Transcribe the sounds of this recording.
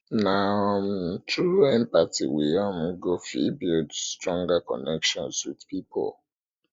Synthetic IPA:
na | tʰuɛ̃npatḭwijam̩ɡofibudstɹɔ̃ŋɡakɔ̰nɛkʃɔ̃nswidpipʰɔ̰l

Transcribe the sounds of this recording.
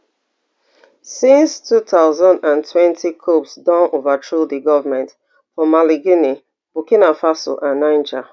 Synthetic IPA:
sĩnstʰuθaʊzãndãntʰwɛ̃ntʰikʰopsdɔ̃novatʰɹoðiɡɔvəmɛ̃nt | fɔmaliɡini | b̥ukinafasɔ̰ʔãnːãɪ̃nd͡ʒa

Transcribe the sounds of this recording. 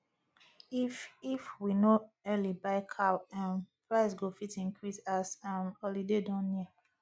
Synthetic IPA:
ififwinɔɛlibaɪkʰaãnpɹaɪs̬ɡofitĩŋkʰɹisasãnɔlidedɔ̃nːiə

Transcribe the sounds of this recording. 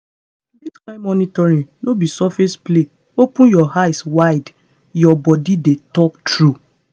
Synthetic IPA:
diskãɪ̃mɔnitɔɾĩŋnobisɔfesple | opũjɔhajswaɪd | jɔbɔdidetɔk̚tɹu

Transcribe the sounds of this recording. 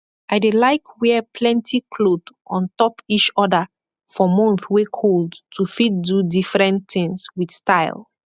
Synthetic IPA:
aɪdelaɪkwɛpʰlɛ̃ntʰikʰlodʔɔ̃ntɔpit͡ʃɔdə | fɔmɔ̃nθwekʰoldtʰufit̚dudifɹɛ̃nθɪ̃ŋswidstaɪl

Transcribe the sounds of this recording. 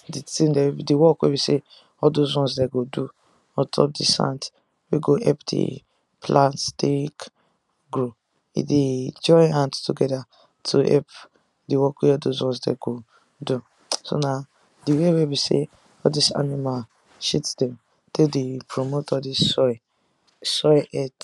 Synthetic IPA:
ditĩndɛdiwɔkwḛbise | ɔduzɔ̃nsdɛɡodu | ɔtʰɔ̰p̚disã̰nt | wiɡoʔɛpdḭ | pʰlãntstik | ɡɾu | ḭded͡ʒɔjãnttuɡɛda | tʰuʔɛ̰p | diwɔkwiɔdozɔ̃nsdɛ̰ɡo | du | so̰na | diwewebisḛ | ɔdisa̰nima | ʃitdɛ̃m | tedepʰɹomotɔdi | sɔʔɛt

